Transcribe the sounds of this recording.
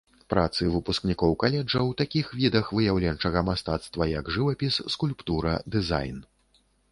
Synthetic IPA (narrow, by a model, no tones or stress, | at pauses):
pɾat̪sɨvɨpusknʲikɔwkalʲɛd͡ʐɐwt̪akʲixvʲid̪ɐxvɨjawlʲɛnt͡ʂɐɣɐmast̪at̪st̪vɐjɐɡʐɨvɐpʲisːkulʲpt̪uɾɐ̰d̪ɨza̰jn